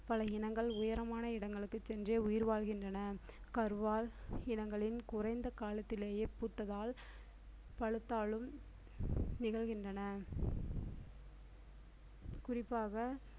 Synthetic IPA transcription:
pɐlɐɪnɐŋɡɐɭʊjɐɾɐmaːnɐɪɽɐŋɡɐɭɯkːɯt͡ʃːɛndreːʊjɪɾʋaːlɣɪndrɐnɐkɐɾʋaːlɪnɐŋɡɐɭɪnkʊrɐɪnd̪ɐkaːlɐt̪ːɪleːjeːpuːt̪ːɐðaːl | pɐɻɯt̪ːaːɭɯm | nɪɣɐɭɣɪndrɐnɐ | kʊrɪpːaːɣɐ

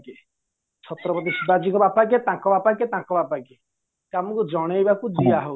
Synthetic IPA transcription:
ke | t͡ʃʰɔt̪ɾɔpɔt̪̬isibad͡ʒikɔbapaket̪ãkɔbapaket̪ãkɔbapake | kamɔkud͡ʒɔɽ̃ejbakud͡ʒiaɦo

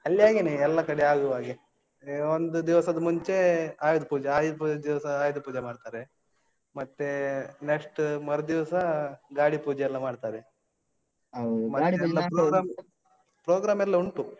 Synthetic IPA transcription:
ɐlːjaːɡeneɛlːɐkɐɽeaːɡuʋaːɡe | ond̪ud̪iʋɐsɐd̪ɐmuɲt͡ʃe̞aːjud̪upuːd͡ʒeaːjd̪iʋɐsɐaːjud̪upuːd͡ʒemaːɖt̪aːɾe | mɐt̪ːeneksʈmɐɾɐd̪iʋɐsɐɡaːɽipuːd͡ʒɛjɛlːɐmaːɖt̪aːɾe | mɐt̪ːɽiɛlːɐpɾoːɡɾaːm | pɾoːɡɾaːmɛlːɐuɳʈu

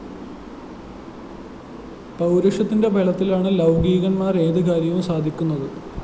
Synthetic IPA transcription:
pɐwɾɐʂɐt̪ːinde̞bʱeɭɐt̪ːilaːɳɨlɐwɡiːɣɐɳmaːre̞ːðɨkaːɾjɐʋumsaːd̪ʱikʲːunːɐðɨ

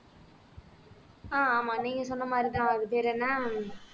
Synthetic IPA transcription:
aːaːmaːniːŋɡɐsɔnːɐmaːd̪ɾit̪ãːʋakɯt̪eːɾenːaː

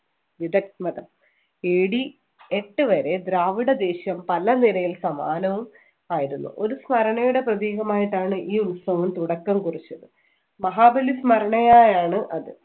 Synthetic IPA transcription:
ʋid̪ɐkmɐðɐm | eːɽi | eʈːɨʋɐɾe̞d̪ɾaːʋiɽɐd̪e̞ːɕjɐmpɐlɐnilɐjilsɐma̰ːnɐʋum | aːjiɾunːṵʔo̞ɾusmɐɾɐɳɐjuɽe̞prɐðiːɣɐmaːjiʈːaːɳɨʔiːunsɐʋɐmt̪uɽɐkːɐmkurit͡ɕːɐðɨ | mɐɦaːbɐlismɐɾɐɳɐjaːjaːɳɨʔɐðɨ

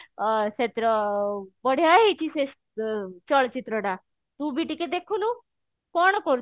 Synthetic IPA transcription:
set̪ɾəbəɽ̤ʱjaɦit͡ɕises | t͡ɕəɭt͡ɕit̪ɾəɽa | t̪ubiʈiked̪ekʰunu | kɔɳ̃kɔɾ

